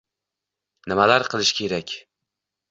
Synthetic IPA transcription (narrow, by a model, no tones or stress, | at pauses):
nɪmalaɾqʰɨlˠɪʃkʲʰe̞ɾakʲ